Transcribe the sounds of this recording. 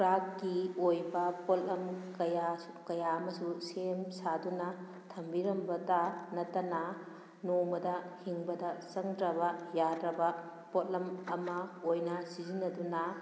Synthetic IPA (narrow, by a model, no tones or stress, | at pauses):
kɾakɡiojbɐpotlɐmkɐja | kɐjaɐmɐsusemsadunɐ | tʰɐmbiɾɐmbɐtanɐtːɐnɐ | nomɐdɐhiŋbɐdɐsɐŋdɾɐbɐjadɾɐbɐ | pot̚lɐmɐmɐojnɐsizinɐdunɐ